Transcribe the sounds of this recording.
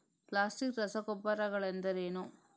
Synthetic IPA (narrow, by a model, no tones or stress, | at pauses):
kɭaːsɪkɾɐsɐkɔpːɐɾɐɣɐɭɛnd̪ɐɾeːnu